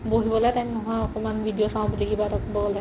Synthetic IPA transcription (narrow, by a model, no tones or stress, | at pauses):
boɦibɔlɛjtamnɔɦɔ̃jɔkɔmanbʱidijɔsãw̃buliɡibatɔkbɔɡɔla